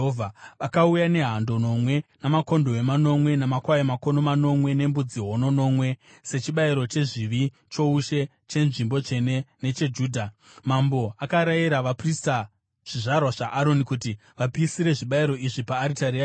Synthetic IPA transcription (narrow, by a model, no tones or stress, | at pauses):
ovʱaʋakaujane̞ɦando̞no̞mwe̞namako̞ndo̞e̞mano̞mwe̞namakwaemako̞no̞mano̞mwe̞ne̞mbud͡ziɦo̞no̞no̞mwe̞ | se̞t͡ʃiɓaiɾo̞t͡ʃe̞ʐiʋi | t͡ʃo̞uʃe̞ | t͡ʃe̞nʐimbo̞t͡ʃe̞ne̞ne̞t͡ʃe̞d͡ʒuːdʱamambo̞akaɾajiɾaʋaprista | ʐ̥iʐarwaʐaʔaɾo̞nikuti | ʋapiːsiɾe̞ʐiɓaiɾo̞iʐipaːɾitaria